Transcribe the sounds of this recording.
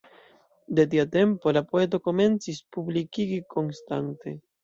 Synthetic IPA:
d̪e̞t̪̬iat̪e̞mpo̞lapoe̞t̪̬o̞ko̞me̞nt͡sispublikiɡiko̞nst̪a̰nt̪e̞

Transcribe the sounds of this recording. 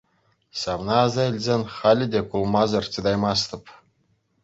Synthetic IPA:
sɑʋnɑːzɑilʲzʲenʲχɑlʲɘ̆dʲekulˠmɑzɤ̆rt̪ʲɯd̪ɑjmɑst̪ɤ̆p

